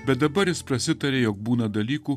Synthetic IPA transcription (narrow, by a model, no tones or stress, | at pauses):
bʲɛt̪̚d̪ɐbɐɾjɪspɾɐsʲɪt̪ɐɾʲeːjoːk̚buːnɐd̪ɐlʲiːkuː